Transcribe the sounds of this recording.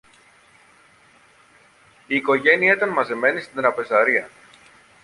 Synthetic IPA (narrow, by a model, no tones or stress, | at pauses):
iːko̞ʝe̞niɐit̪ɐnmɐzeme̞nist̪ind̪ɾɐpe̞zɐɾiɐ